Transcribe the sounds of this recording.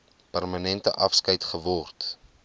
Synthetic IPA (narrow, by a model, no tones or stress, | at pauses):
pɛrmɐnɛntəʔɐfskɐjtχəvɔrt